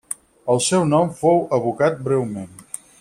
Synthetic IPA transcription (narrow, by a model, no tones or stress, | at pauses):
əlˠsɛwnɔmfowəβukat̪̚bɾɛwmen